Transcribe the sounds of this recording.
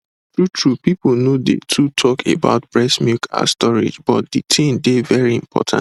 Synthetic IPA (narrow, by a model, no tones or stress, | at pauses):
tɹutʰɹupipl̩ˠnodḛtʰutʰɔkʰḛba̰ʊt̚b̥ɹɛsmukʰa̰stɔɹɪ̰d͡ʒbɔt̚d̥itʰĩndevɛɹiĩmpʰɔ̰tʰã̰n